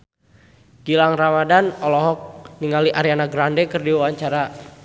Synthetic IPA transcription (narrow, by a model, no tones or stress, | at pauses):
ɡ̥ilaŋramadanɔlɔɦɔk̚niŋaliʔaɾianaɡɾandɛkɨrdiwawaɲt͡ʃaɾa